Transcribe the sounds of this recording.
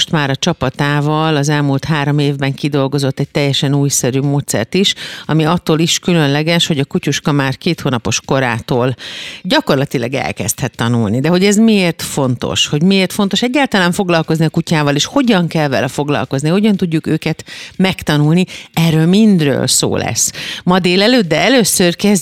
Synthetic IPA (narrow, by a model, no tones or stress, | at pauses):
ʃt̪maːɾɒt͡ʃɒpɒt̪aːvɒlɒzɛlmult̪ɦaːɾo̞meːvbɛŋkid̪o̞lɡo̞zo̞t̪ːɛc̚t̪ɛjːɛʃɛnuːjsɛɾyːmoːt̪sɛ̰rt̪iʃɒmiɒt̪ːoːliʃkylønlɛɡɛʃho̞ɟɒkucuʃkɒmaːrkeːt̪hoːnɒpo̞ʃko̞ɾa̰ːt̪oːlɟɒko̞rlɒt̪ilɒɡɛ̰lkɛ̰st̪hɛt̪ːɒnulnid̪ɛɦo̞ɟɛzmieːrt̪fo̞nt̪o̰ʃho̞ɟmieːrt̪fo̞n̪t̪o̞ʃɛɟːaːlt̪ɒlaːɱfo̞ɡlɒlko̞zniɒkucaːvɒleːʃho̞ɟɒŋkɛlvɛ̰lɛfo̞ɡlɒ̰lko̞zniho̞ɟɒnt̪uɟːukø̰ːkɛt̪mɛkt̪ɒnulniɛrːøːlmind̪rø̰ːlso̰ːlɛ̰sːmɒd̪eːlɛløːd̪̚d̪ɛɛløːsørkɛz